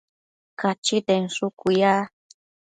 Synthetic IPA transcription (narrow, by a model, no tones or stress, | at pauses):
kat͡ʃit̪enʂʊkʊja